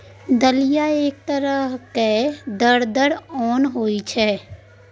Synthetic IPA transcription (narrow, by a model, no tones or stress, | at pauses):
d̪əlijaeːk̚t̪əɾəɦked̪əɽd̪əɽɔːnɦoːit͡ʃʰɛː